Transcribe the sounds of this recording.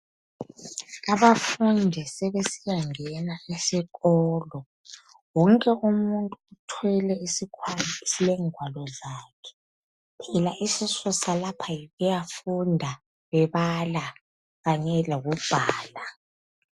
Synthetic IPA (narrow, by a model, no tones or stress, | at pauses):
aβafundʱɛsɛβesijaŋɛnaisiɣɔːlɔ | wɔŋkʼɛʔumuntʼuːtʰwɛlɛisikʰwansilɛŋʱwalɔzakʰɛ̥ | pʰɛlaʔisisɔsalapʰajiɣujafundʱa | βɛβala | ɣaɲɛloɣub̥ʱaːla